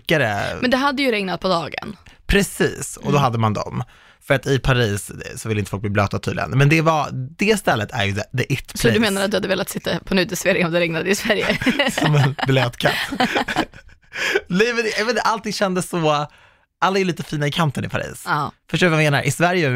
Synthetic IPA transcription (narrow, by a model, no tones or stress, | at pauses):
kaɾə̰mɛnd̪ɛɦad̪ːəjɵɾɛŋnat̪̚pʰɔd̪ɑːɡə̰npʰɾɛsḭːsɔ̰d̪ɔɦad̪ːəmand̪ɔ̰m | fœɾat̪ɪpʰaɾiːssɔvɪləɪnt̪əfɔk̚b̪iːbløːt̪at̪ʰy̰d̪lɪ̰ə̰nmɛnd̪ɛvad̪ɛst̪ɛlːət̪ʰæ̰ɾjɵd̪ɛd̪ɛʔʏt̪ːsʰɔdɵmeːnaɾat̪d̪ɵhad̪ːəveːlat̪sɪt̪ːapʰɔnʉːd̪əsfeːɾɪŋɔmd̪ɛɾɛŋnad̪ɪsvæɾjə̰sɔmɛnblɛːt̪kʰa̰t̪ː | nɛjmɛnʔɛvɛaʔalt̪ɪŋɕɛnd̪əsːɔ | ʔalːajʉliːt̪əfiːnaɪkʰant̪ənɪ̰pʰaɾḭːsfœʂʈoːvjameːna̰ɾʔɪsvæɾjə